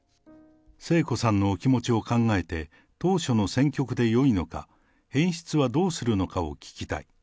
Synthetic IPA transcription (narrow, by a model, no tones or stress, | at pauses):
se̞ːko̞sãnːo̞ːkʲimo̞t͡ɕio̞kãŋɡae̞t̪e̞ | t̪o̞ːɕo̞no̞sẽ̞ŋkʲo̞kɯ̟d̪e̞jo̞ino̞ka̰ | hẽ̞ɰ̃ɕi̥t͡sɨβad̪o̞ːsɨɾɯ̟no̞kao̞̰kʲi̥kʲi̥t̪a̰i